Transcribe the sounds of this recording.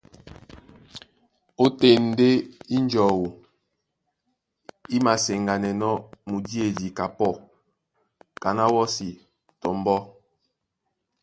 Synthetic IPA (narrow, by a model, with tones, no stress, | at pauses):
o˦te˦˨n̩˨˦de˦i˦n˦d͡ʒɔ˨wo˨ | i˦ma˨se˨ŋɡa˨nɛ˨nɔ˦mu˨di˦e˨di˨ka˨pɔ˦˨ | ka˨na˦wɔ˦si˨ | tɔ˨m˦bɔ˦